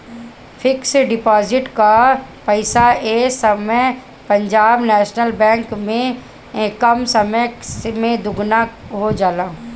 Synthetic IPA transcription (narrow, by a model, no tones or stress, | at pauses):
fʰɪksɖɪpaːzɪʈkapɐɪsaeːsɐmə | pɐ̃ɲd͡ʒaːbnɛːʃnəlbɛ̃ːŋkmẽ | kɐmsɐməjmẽd̪ʊɡnaɦod͡ʒaːlaː